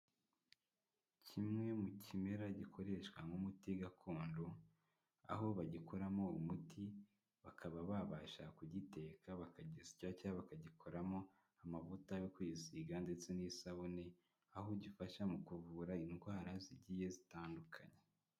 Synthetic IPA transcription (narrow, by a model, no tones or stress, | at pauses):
cʰimŋe̞mucʰime̞ɾaɟikʰo̞ɾe̞ʃkwaŋumutiɡakʰoːndo | a̰ɦo̞βaɟikʰoɾamo̞umuti | βakʰaβaβaβaʃakuɟite̞ːkʰaβakaɟizicacaβakaɟikʰo̞ɾamo̞ | amavutajokuiziɡandet͡senisaβone | aɦoɟifaʃamukuvuːɾainɡwaːɾaziɟiːje̞zitaːndukʰaɲe